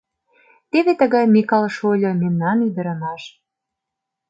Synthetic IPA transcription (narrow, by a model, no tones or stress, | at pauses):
t̪eβet̪əɣɑjmʲikɑlʃolʲɤ̆memnɑnid̪ə̆ɾɑnɑʃ